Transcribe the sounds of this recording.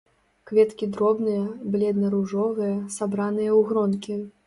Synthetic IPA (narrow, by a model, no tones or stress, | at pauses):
kvʲɛt̪kʲid̪ɾɔbnɨjɐblʲɛd̪nɐɾuʐɔvɨjɐsabɾanɨjɐwɣɾɔnkʲi